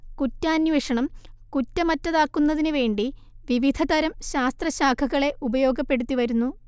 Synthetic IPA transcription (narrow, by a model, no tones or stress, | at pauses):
kutːaːnʋeːʂɐɳɐmkutːɐmɐtːɐðaːkːunːɐðinɨʋe̞ːɳɖi | ʋiʋid̪ʱɐd̪ɐɾɐmɕaːst̪rɐɕaːkʰɐɣɐɭe̞ʔubɐjo̞ːɡɐpːe̞ɽut̪ːiʋɐɾunːu